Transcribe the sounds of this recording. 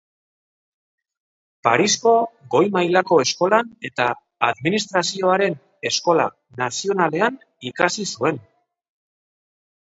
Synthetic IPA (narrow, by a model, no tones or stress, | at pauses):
pa̰ɾisko̞ɣo̞jmajlako̞e̞sko̞lane̞t̪a | aðminist̪ɾasio̞aɾe̞n | e̞sko̞la̰ | nasio̞nale̞an | ikasisue̞n